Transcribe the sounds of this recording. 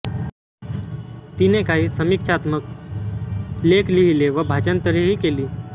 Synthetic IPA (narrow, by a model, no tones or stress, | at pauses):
t̪inekaɦiːsəmikʂʰat̪mək | lekliʋileʋəbʱat͡ɕant̪əɾiɦiːkeliː